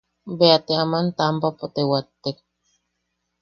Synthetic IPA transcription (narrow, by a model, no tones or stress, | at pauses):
beat̪eamant̪ampapot̪ewat̪ːek̚